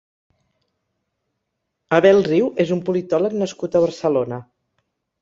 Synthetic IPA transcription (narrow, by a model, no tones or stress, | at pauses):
əβɛlˠriwʔezumpulit̪ɔləknəskut̪əβəɾsəlonə